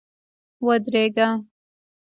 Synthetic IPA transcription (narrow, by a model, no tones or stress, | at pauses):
wɐd̪ɾeɡa